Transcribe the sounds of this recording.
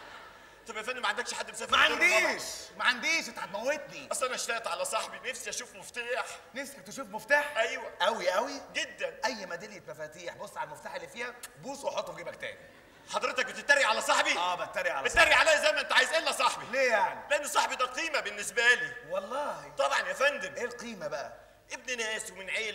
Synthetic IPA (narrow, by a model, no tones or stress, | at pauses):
t̪ˤɑbʔæfænːimæʕand̪ækʃħad̪ːmesæːfmæʕand̪iʃmæʕand̪iːʃet̪aʕad̪mæwːet̪nibæsʔænæʃt̪æːʔt̪ʕalæsˤɑħbinefsiʔæʃuːfmoft̪aːħnefsikæk̚t̪eʃuːfmoft̪aːħʔæjwæʔæwiʔæwiɡed̪ːænʔæjːmæd̪ælet̪æfæːt̪iːħbosˤːʕallmoft̪aːħelːiːfiːhæbuːsˤweħot̪ːwɡiːbæk̚t̪æ̰ːnḭ | ħɑd̪ˤɾet̪ɑk̚bet̪et̪ːæɾiʕalæsˤɑħbiʔæːbt̪ːæɾiʕalbet̪ːæɾiʕaleːjæzæjmæʔent̪æʕaːjezʔelːæsˤɑħbileːjaʕnileʔenːsˤɑħbid̪ælqiːmæbenːesbæliːwɑlˤːɑːhit̪ˤɑbʕɑnʔæfænd̪emʔeːlqiːmæbæʔæ | ʔeb̚ninæːswemenʕeːl